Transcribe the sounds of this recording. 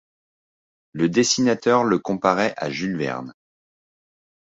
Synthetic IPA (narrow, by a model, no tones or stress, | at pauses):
ləd̪esinat̪œʁləkɔ̃paʁɛʔa̰ʒylvɛ̰ʁn